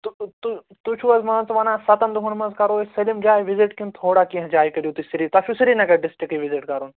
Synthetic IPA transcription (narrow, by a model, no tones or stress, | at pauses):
t̪ut̪u | t̪ut͡ʃʰuɐzmɐːnt͡s̪ʋɐnãːsɐt̪ɐnd̪uɦunmɐzkɐɾoːsɐlimd͡ʒaːjʋiziʈkint̪ʰoːɽaːkiɦɐ̃d͡ʒaːikɐɾijut̪isiɾit̪ɐfʰʲusiɾinɐkɐɖɪsʈɾikiʋiziʈkɐɾuːn